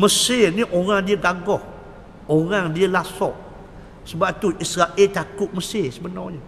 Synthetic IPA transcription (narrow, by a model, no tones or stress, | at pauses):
məsɪnĩʔoɾaŋdiəɡaɡɔh | oɾaŋdiəlasɔʔ | səbap̚t̪uʔisɾaʔelt̪akʊt̪̚məsɪsəbənɔ̰ɲə